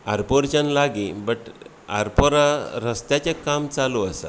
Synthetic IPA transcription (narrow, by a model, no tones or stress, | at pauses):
aɾpoɾt͡ɕanlaɡibəʈ | a̰ɾpoɾaɾəst̪jat͡ɕekamt͡saluəsa̰